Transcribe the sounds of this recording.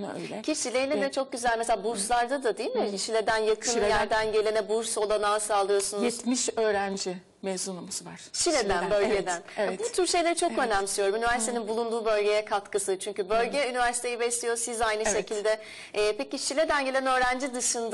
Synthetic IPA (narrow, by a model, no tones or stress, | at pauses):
ø̰jlʲɛcʰiʃilʲejinɛd̪ɛt͡ʃʰo̞k̚ɟyzælʲmeselʲabuɾslˠaɾd̪ad̪ad̪eijilʲmiʃilʲe̞d̪ænjakʰɯnjæɾd̪ænɟe̞lʲe̞nɛbuɾso̞lˠanaːsalˠɯjosunujɛt̪miʃøːɾænd͡ʒi | mezunamasɯvaɾ̥ʃilʲed̪ænbø̞lʲɟed̪æneɛbut̪ʰyɾʃe̞jlʲeit͡ʃʰokø̞næmsyjoɾumynivæɾsi̥t̪ʰeninbulˠund̪uːbø̞lʲɟe̞jɛkʰat̪kɯsɯt͡ʃʰyɲcybø̞lʲɟɛynivæɾsit̪ejibɛslʲijo̞sizajnɯʃe̞cʰilʲd̪ɛː | peciʃilʲe̞d̪ænɟelʲɛnø̞ːɾænd͡ʒid̪ɯʃɯnd̪